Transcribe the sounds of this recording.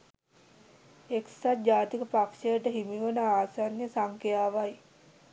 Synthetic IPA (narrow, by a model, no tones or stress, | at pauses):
eksat̪̚d͡ʑaːt̪ikəpakʃəjəʈəɦimiʋənəaːsaːnjəsaŋkejaːʋaj